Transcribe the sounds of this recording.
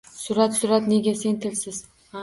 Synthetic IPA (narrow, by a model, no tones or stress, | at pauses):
sʊɾat̪sʊɾat̪ne̞ɡʲase̞nt̪ʰɪlsɪz̥